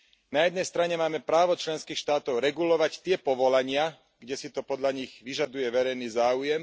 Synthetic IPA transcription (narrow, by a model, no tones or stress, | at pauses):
najɛd̪nɛjst̪ɾaɲɛmaːmɛpɾaːʋɔt͡ʃlɛnskiːxʃt̪aːt̪ɔʊɾɛɡulɔʋact̪ɪɛpɔʋɔlaɲɪa | ɡɟɛsit̪ɔpɔd̪ʎaɲiɣʋiʒad̪ujɛʋɛɾɛjniːzaːujɛm